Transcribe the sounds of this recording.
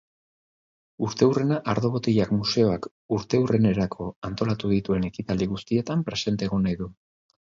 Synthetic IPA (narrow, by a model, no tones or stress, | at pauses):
uɾt̪e̞ure̞naʔaɾðo̞βo̞t̪iʝakmuse̞o̞ak | uɾt̪e̞urene̞ɾakʰo̞ant̪o̞lat̪uðit̪ue̞ne̞kit̪ald̪iɣ̞ust̪ie̞t̪ampɾe̞se̞nt̪e̞ːɣonajðu